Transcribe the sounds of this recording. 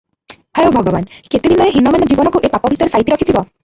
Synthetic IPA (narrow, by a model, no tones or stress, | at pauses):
hɛjobʱɔɡɔbanket̪ibʱinɔjeɦinɔmanɔd͡ʒibɔnɔkuʔepapɔbʱit̪ɔɾesajit̪iɾɔkʰit̪ʰibɔ